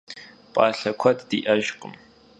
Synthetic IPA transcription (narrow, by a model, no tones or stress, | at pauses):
pʼɑːɬɐkʷʰɐdd̥iːʔɐʒqʼə̰m